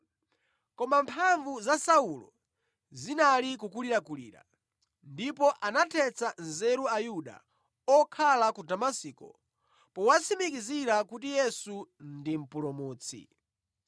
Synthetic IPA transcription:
kɔmampʰaɱvuzasaulɔ̰ | zinalik̬ukuliɾakulḭːɾa̰ | ndipɔʔanatʰɛt͡sanzɛɾuajuɗa̰ | ɔkʰalakudamasiːkɔ̰ | pɔwat͡sʰimikiziɾakut̬ijɛsundim̩pulɔmuːt͡sʰḭ

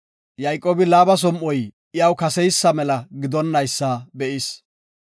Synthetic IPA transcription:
jɐjkʼːoːbɪlaːbɐs̬ɔmʔɔj | ɪjɐwkɐsɛjsːɐmɛlɐɡɪd̪ɔnːɐjsːabɛʔɪs

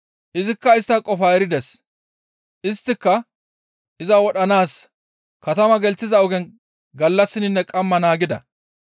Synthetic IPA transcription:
ʔɪzɪkːɐɪst̪ːɐkʼɔfɐɛɾɪd̪ɛs | ʔɪst̪ːɪkːɐ | ʔɪzɐwɔɗɐnaːs | kɐt̪ɐmɐɡɛlt͡sːɪzɐʊɡɛn | ɡɐlːɐsːɪnɪnːɛkʼɐmːɐnaːɡɪd̪ɐ̰

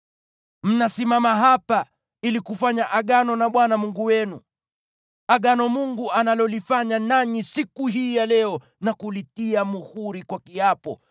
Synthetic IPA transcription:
m̩nasimamaɦapa | ilikufaɲaʔaɠanɔnaɓwanamuŋɡuwɛnu | aɠanɔmuŋɡuanalɔlifaɲanaɲisikuɦiːjalɛɔ | nakulitiamuhuɾikwakiapɔ̰

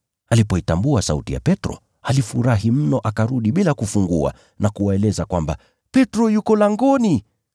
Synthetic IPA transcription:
alipɔitambuasautija̰pɛtɾɔ̰ | alifuɾaɦim̩nɔʔakaɾuɗiɓilakufuŋɡua̰ | nakuwaɛlɛzakwamba̰ | pɛtɾɔjukɔlaŋɡɔni

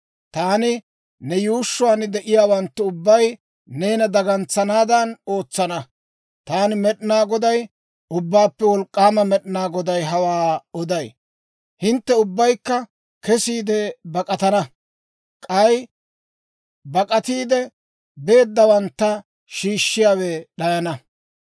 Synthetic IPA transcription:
t̪aːnɪ | nɛjuːʃːʊwaːnɪd̪ɛʔɪjaːwɐnt̪ːʊʊbːɐj | neːnɐd̪ɐɡɐnt͡sːɐnaːd̪ɐno̞ːt͡sːɐnɐ | t̪aːnɪmɛɗnaːɡɔd̪ɐj | ʊbːaːpːɛwɔlkʼːaːmɐmɛɗɪnaːɡɔd̪ɐjɦɐwaːɔd̪ɐj | hɪnt̪ːɛʊbːɐjkːɐ | kɛsiːd̪ɛbɐkʼɐt̪ɐnɐ | kʼɐj | bɐkʼɐt̪iːd̪ɛ | be̞ːd̪ːɐwɐnt̪ːɐ | ʃiːʃːɪjaːweɗɐjɐnɐ

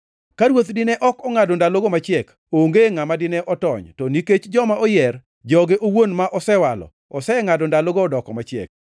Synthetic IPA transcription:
kaɾwot̪dɪnɛʔɔkɔŋadondaloɡomat͡ʃɪɛk | oŋɡeŋamadɪnɛʔɔtɔ̰ɲtɔniket͡ʃd͡ʒɔmaʔɔjɛr | d͡ʒɔɡeʔowonmaʔɔsɛwalɔ̰ | ɔsɛŋadondaloɡoːdɔkɔmat͡ʃɪɛ̰k̚

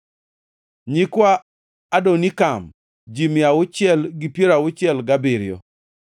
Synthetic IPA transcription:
ɲikwaː | donikam | d͡ʒimjawʊt͡ʃɪɛlɡipjeɾawʊt͡ʃjɛlɡabɪɾjɔ̰

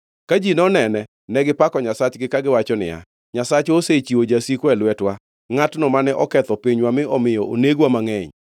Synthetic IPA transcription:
kad͡ʒinɔnɛnɛ | nɛɡɪpakɔɲasat͡ʃɡɪkaɡɪwat͡ʃɔnɪ̰ja̰ | ɲasat͡ʃoset͡ʃiod͡ʒasikwɛlwɛtwa | ŋatnɔmanɛʔɔkɛt̪ɔpiɲwamɪɔmɪjɔʔo̰neɡwamaŋɛɲ

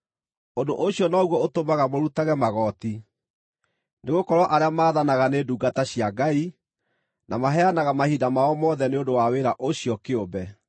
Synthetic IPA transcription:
ondoʔoɕiɔnɔɣwɔotomaɣamoɾutaɣɛmaɣɔti | neɣokɔɾwɔʔaɾeamaːðanaɣaneduːɡataɕiaɡai | nʔamaɦɛanaɣamahidamaɔmɔðɛneondowaweɾaʔoɕiɔkeobɛ

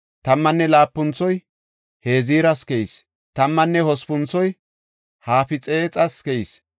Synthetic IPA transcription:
t̪ɐmːɐnːɛlaːpːʊnt͡sːɔj | he̞ːziːɾɐskɛis | t̪ɐmːɐnːɛhɔspʊnt͡sɔj | haːfɪt͡sʼeːt͡sʼɐskɛis

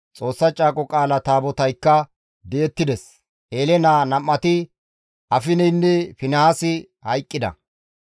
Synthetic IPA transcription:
t͡sʼo̞ːsːɐt͡ʃʼaːkʼɔkʼaːlɐt̪aːbɔt̪ɐjkːɐ | d̪ɛɛt̪ːɪd̪ɛs | ʔeːlɛnaːnɐmːɐt̪ɪ | ʔɐfɪnɛjnːɛfɪnɐhasɪ | hɐjkʼːɪd̪ɐ̰

